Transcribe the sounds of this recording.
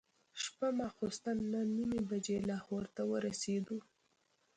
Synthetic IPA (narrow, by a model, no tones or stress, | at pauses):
ʃpamɑxost̪anːanimibad͡ʒelɑhoɾt̪awəɾased̪u